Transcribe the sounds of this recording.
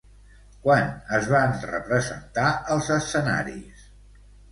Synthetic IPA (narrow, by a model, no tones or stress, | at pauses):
kwanəzβanrə̰pɾəzə̰nt̪aəlˠzəsəna̰ɾḭs